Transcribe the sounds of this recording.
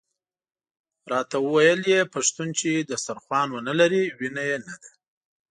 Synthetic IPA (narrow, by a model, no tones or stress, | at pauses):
ɾɑt̪awəwajəljepaʂt̪unt͡ʃed̪əsaɾxwɑnwənəlaɾiwinajenad̪a